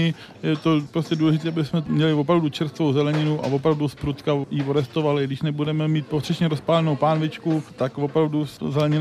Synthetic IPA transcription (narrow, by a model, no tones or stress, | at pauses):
ɪ | jɛt̪opɾoscʲɛduːlɛʒɪt̪iːabɪsmɛmɲɛlɪvo̞pɾavdut͡ʃɛɾst̪vowzɛlɛɲɪnuʔa̰vo̞pɾavduspɾut̪kajivoɾɛst̪ovalɪɡdɪʃnɛbudɛmɛmiːt̪̚pot̪r̥ɛʃɲɛɾospaːlɛnowpaːnvɪt͡ʃkut̪akvo̞pɾavduzɛlɛɲɪn